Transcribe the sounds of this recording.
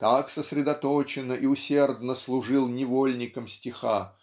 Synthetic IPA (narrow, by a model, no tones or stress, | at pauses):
t̪aksəsɾʲɪd̪ɐt̪ot͡ɕɪnəʔiʊsʲe̞rd̪nəslˠʊʐɨlˠnʲɪvolʲnʲɪkəmsʲtʲɪxa